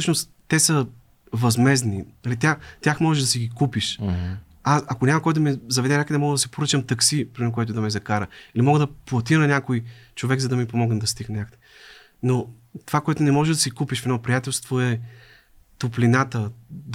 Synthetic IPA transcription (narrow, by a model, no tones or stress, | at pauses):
səʃnos | t̪ːɛsə | vɐzmɛzniɐlit̪ʲaxt̪ʲaxmɔʒɛʒd̪ɐsiɡikupiʃ | asɐkonʲamɐkɔjt̪mɛzɐvɛd̪ɛnʲakəd̪ɛmɔɡəd̪ɐsi̥poɾət͡ʃəmt̪ɐksipɾiɛok̬oɛt̪ʊd̪ɐmɛzɐkaɾəilimɔɡəd̪ɐplˠɐt̪inɐnʲakojt͡ʃovɛɡzɐd̪ɐmipomɔɡnd̪ɐst̪iɡ̪nʲakəd̪ɛ | no | t̪o̥vakoɛt̪ʊnɛmɔʒɛʒd̪ɐsikupiʃfɛd̪nɔpɾijat̪ɛlˠst̪voɛ | t̪oplinat̪əd̪